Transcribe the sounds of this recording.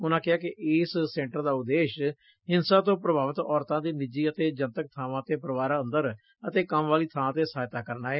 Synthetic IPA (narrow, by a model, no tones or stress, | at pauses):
ʊnãːkɪɦaːkɪʔɪːsːɛ̃ːɳʈəɾd̪aːʊd̪eːʃ | ɦɪnsãːt̪õːpɾəbʱaːʋət̪ɔːɾt̪ãːd̪iːnɪd͡ʒiːət̪eːd͡ʒənt̪ək̚t̪ʰaːʋãːt̪eːpɾəʋaːɾaːənd̪əɾ | ət̪eːkəmʋaːliːt̪ʰaːãːt̪̬eːsaːjt̪aːkəɾnaːɛː